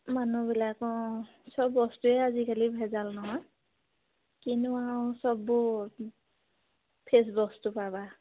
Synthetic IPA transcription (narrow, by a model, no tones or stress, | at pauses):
manubilakɔ | sɔbːɔstuɛazikʰalibʱɛzalnɔɦɔj | kinuãsɔbːʊ | pʰes̬bɔstupaba